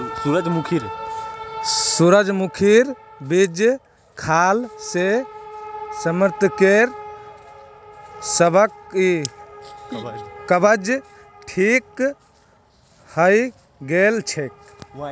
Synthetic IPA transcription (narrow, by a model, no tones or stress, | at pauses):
suɾəd͡ʒmukʰiɾ | suɾəd͡ʒmukʰiɾ | bid͡ʒ | kʰalse | səməɾt̪keɾ | səbəki | kəbəd͡ʒ | ʈʰik | həj | ɡelt͡ʃʰek̚